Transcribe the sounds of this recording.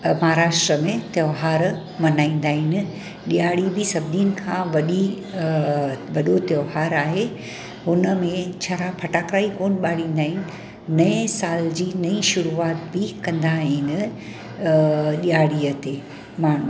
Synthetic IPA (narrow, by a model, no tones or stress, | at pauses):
mɐɦaɾaːʃʈɾəmẽt̪jɐːɦaːɾ | mɐnaːĩːn̆d̪aːɦɪnɪ̆ | ɗijaːɽibɪsɐbʱd̪inɪ̆kʰãːʋɐɗi | ʋɐɗot̪joːɦaːɾaːɦe | ɦʊnəmẽt͡ɕʰaɾapʰɐʈaːkɾaːikoːnɓaːɽĩːn̆d̪aːɦɪnɪ̆ | nɐẽsaːld͡ʑiːnɐĩʃʊɾuaːt̪bɪkɐ̃nd̪aɦɪnɪ̆ | ɗiaːɽiət̪e | maːɳ̤u